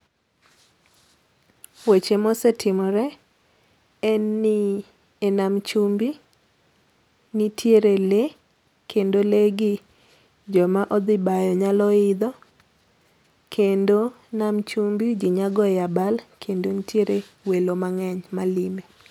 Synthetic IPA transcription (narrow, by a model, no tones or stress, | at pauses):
wet͡ʃemɔsetʰɪmɔɾɛ | ɛnːi | enamt͡ʃumbi | nitʰjeɾele | kendoleɡɪ | d͡ʒɔmaʔɔd̪ɪbajɔɲalɔɪd̪ɔ | kʰendo | namt͡ʃumbid͡ʒiɲaɡɔjabalkʰendonitʰjeɾewelomaŋɛɲmalime